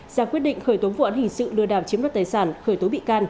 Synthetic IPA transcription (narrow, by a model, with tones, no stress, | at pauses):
zaː˧˩kwi˦˥ət̚ɗḭ˧˨ŋ̟xəː˧˩jt̪o˨˦vṵ˧˨ʔaː˨˦nhï˨˩ŋ̟sɨ̰˧˨lɨ˧əɗaː˨˧˩wt͡ɕi˨˦mlaː˨˦˥t̪aː˨jsaː˧˩nxəː˧˩jt̪o˨˦ɓḭ˧˨kaː˧n